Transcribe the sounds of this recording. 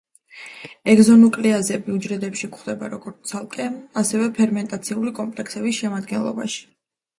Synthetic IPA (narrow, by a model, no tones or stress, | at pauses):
ɛɡzɔnukʼliazɛbiud͡ʒɾɛd̪ɛpʃikχd̪ɛbaɾɔɡɔɾt̪t̪sʰalˠkʼɛasɛvɛpʰɛɾmɛnt̪ʼat̪sʰiulikʼɔmpʼlɛksɛbisʃɛmad̪̚ɡɛnlˠɔ̰ba̰ʃi̥